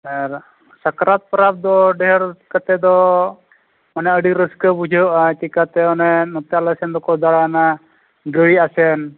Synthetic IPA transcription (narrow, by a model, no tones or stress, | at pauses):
aɾ | sakɾat̪̚pɾap̚d̪ɔɖɛɦəɾkat̪ɛd̪ɔ | manɛəɖiɾəskəbud͡ʒʱəʔat̪ikat̪ɛɔnɛnɔt̪jalasɛnd̪ɔkɔd̪aɽana | ɡəɽiasɛn